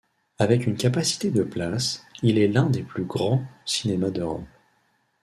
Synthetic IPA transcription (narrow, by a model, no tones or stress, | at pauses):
avɛkynkʲapasi̥t̪ed̪əplasilɛlɛ̃d̪eplyɡʁɑ̃si̥nemad̪əʁɔ̰m